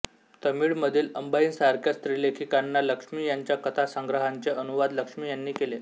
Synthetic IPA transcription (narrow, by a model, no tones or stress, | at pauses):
t̪əmiːɭməd̪ʱiːləmbaiːnsaɾkʰjast̪ɾiːlekʰikanːaləkʂmiːjaɲt͡ɕjakət̪ʰasəŋɡɾəɦaɲt͡seənuʋad̪ləkʂmiːjanːiːkele